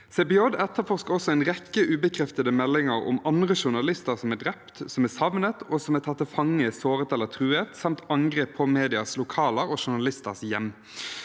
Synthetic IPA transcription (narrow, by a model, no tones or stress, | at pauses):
sɛbɪɔd̪ɛt̪ːəfɔʁskəɔsɔæɪnʁɛkːəʔʉːbəkʰɾɛft̪əd̪əmɛlːɪŋəɾʊ̰mɑnd̪ʁəʃʊnɑlɪst̪əʁsɔmæːd̪ʁɛpt̪sɔmæːsɑʋnət̪oːsɔmɛt̪ʰɑt̪ːəfɑŋːəsoːʁət̪ɛlːət̪ʰɾʉːet̪sɑmt̪ɑŋɡʁeːpʰːɔmeːd̪ɪɑslʊkʰɑːləɾɔʃʊnɑlɪst̪əʁsjɛm